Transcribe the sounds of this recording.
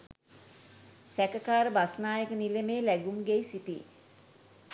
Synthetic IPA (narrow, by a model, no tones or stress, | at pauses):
sækəkaːɾəbasnaːjəkənilemeːlæɡumɡejsiʈi